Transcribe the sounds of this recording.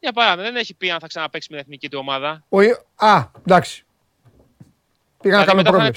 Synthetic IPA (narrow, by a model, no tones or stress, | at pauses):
jɐpɐɾɐimɐðeneçipiɐnθɐksɐnɐpe̞ksimiɐeθnicit̪uo̞mɐðɐoi | ɐd̪ɐksi̥ | piɣɐnɐkɐnmepɾoles